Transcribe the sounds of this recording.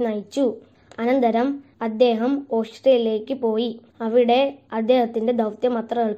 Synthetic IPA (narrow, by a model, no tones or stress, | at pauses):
nɐjt͡ɕːu | ɐnɐnd̪ɐɾɐm | ɐd̪ːe̞ːɦɐmo̞ːʂʈrijile̞ːkːɨpo̞ːji | ɐʋiɽe̞ɐd̪ːe̞ːhɐt̪ːinde̞d̪ɐwt̪jɐmɐt̪rɐɣɐɭ